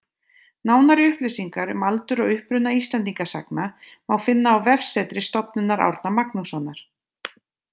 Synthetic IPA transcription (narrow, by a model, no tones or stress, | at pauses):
naːwnaɾɪʏhplɪsiŋkaɾmalt̪ʏɾɔɣʏhpɾʏnaist̪lɛnt̪̬iŋkasa̰kna | mawfɪnːaːwvɛfsɛt̪ɾɪst̪ɔpnʏnaɾa̰wɾt̪namaknusɔnːaɾ̥